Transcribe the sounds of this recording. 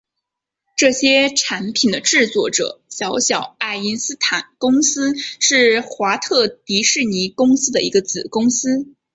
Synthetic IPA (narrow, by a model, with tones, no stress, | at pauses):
ʈ͡ʂɤ˥˩ɕjɛ˥ʈ͡ʂʰa˧˥npʰi˨˩nd̪ə˦ʈ͡ʂɻ̩˥˧t͡swɔ˥˩ʈ͡ʂɤ̰˨˩˦ɕjɑ˧˥ʊɕjɑ˨˩˦ʊa˥˩ɪi˥nsɹ̩˥t̪ʰa˨˩˦nkʊ˥ŋsɹ̩˥ʂɻ̩˥˩xwa˧˥t̪ʰɤ˥˩t̪i˧˥ʂɻ̩˥˩ni˧˥kʊ˥ŋsɹ̩˥d̪ə̰˨˧i˧˥ɡə˧t͡sɹ̩˨˩kʊ˥ŋsɹ̩˥